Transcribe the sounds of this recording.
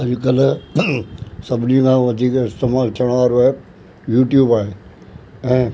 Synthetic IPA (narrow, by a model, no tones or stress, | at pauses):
ɦɐɾkɐl̤ | sɐbʱɪnikʰãːʋɐd̪ʱiːkɪst̪eːmaːlt̪ʰijəɽ̃ʋaːɾoaːɦe | juːʈjuːbaːɦe | ɛ̃ː